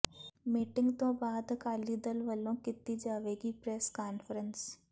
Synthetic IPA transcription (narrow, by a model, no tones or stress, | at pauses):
miːʈɪ̃ŋɡt̪õːbaːd̪kaːlid̪əlʋəlõːkɪt̪id͡ʒaːʋeːɡipɾɛːskaːnfʰəɾəns